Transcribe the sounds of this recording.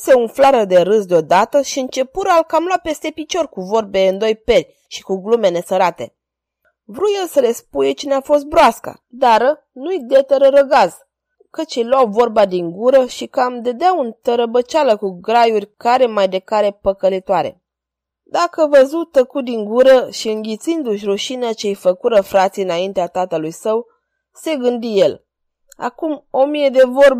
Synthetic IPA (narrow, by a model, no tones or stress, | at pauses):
se̞unflaɾəd̪e̞ɾɨsd̪eo̞d̪at̪əʃiɨnt͡ʃe̞puɾalkamlowape̞st̪e̞pit͡ʃo̞rʲkuvo̞rbeɨnd̪o̞jpe̞lʲ | ʃi̥kuɡlume̞ne̞səɾat̪e̞̰ | vɾujelsəle̞spujet͡ʃineafo̞s̬t̪̚bɾoaska̰ | d̪aɾə | nujd̪et̪əɾəɾəɡaz | kət͡ʃejlwawvo̞rbad̪iŋɡuɾəʃikamd̪əd̪eaunt̪əɾəbət͡ʃaləkuɡɾajurʲkaɾe̞majd̪e̞kaɾe̞pəkəlit̪oaɾe̞̰ | d̪akəvəzut̪əkut̪̚d̪iŋɡuɾəʃiɨŋɡʲit̪sind̪uʃʲruʃineat͡ʃejfəkuɾəfɾat̪siɨnaint̪eat̪at̪əlujsəw | se̞ɡɨnd̪ije̞l | a̰kumo̞mije̞d̪e̞vo̞rb